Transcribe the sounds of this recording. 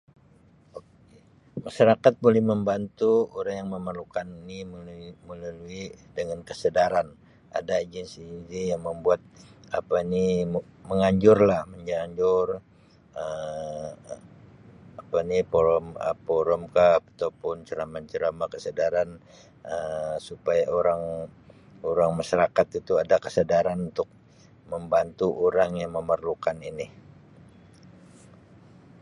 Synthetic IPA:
ok | maʃaɾakat̪̚bolɛhməmbant̪uoɾaŋjaŋməmərlukaninimməlaluidəŋankəsədaɾan | ʔa̰daːd͡ʒɛnsinzijaŋməmbuat̪̚apaniməŋaɲd͡ʒʊrlahməɲd͡ʒaɲd͡ʒʊr | ə | apanipoɾɔmə̰poɾɔmkapat̪awpʊnt͡ʃəɾamat͡ʃəɾamakəsədaɾan | əsupajaʔoɾaŋ | oɾaŋmaʃaɾakat̪it̪uadakə̥sədaɾanunt̪ʊk̚ | məmbant̪uʔoɾaŋjaŋməmərlukanini

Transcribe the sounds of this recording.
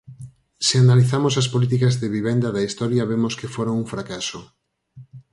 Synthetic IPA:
sɪanaliθamos̬ɐspolit̪̬ikɐzðeβiβ̞end̪aðɐist̪ɔɾjɐβemoskɪfoɾaŋuŋfɾakaso

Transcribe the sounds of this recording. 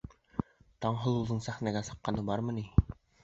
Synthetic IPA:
t̪ɑɴɦɤ̆lˠulˠɤɴsæχnæɡæsɑ̥̆qːɑnɤbɑɾmɤ̆ni

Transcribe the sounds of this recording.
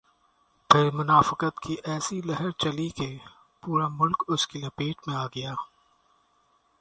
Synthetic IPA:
pʰɪɾmʊnaːfɪkət̪kʰiʔɛːsilɛɦəɾt͡ʃɐlike | puːɾamʊlkʊskilɐpeːʈmẽaːɡɐjaː

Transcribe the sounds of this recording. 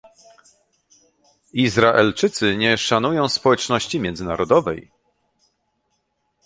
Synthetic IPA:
izɾaʔɛlt͡ʂɘt̪sɘɲɛʂanujɔ̃w̃spɔwɛt͡ʂnɔɕt͡ɕimʲɛnd̪zɘnaɾɔd̪ɔvɛ̰j

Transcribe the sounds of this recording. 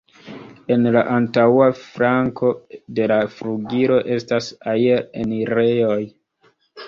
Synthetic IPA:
e̞nlaʔantawafɾaŋko̞de̞lafɾuɡiɾo̞ʔe̞stasaieeniɾe̞jo̞j

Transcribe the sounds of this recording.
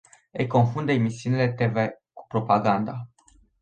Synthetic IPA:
əjko̞nfund̪eemisiunʲile̞t̪e̞ve | ku̥pɾo̞paɡand̪a

